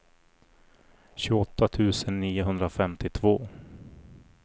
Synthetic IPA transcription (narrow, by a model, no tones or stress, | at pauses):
ɕʉːɡɔt̪ːat̪ʰʉ̟ːsənːiːʊɦɵnd̪ɾafɛmt̪ɪt̪ʰvo̰ː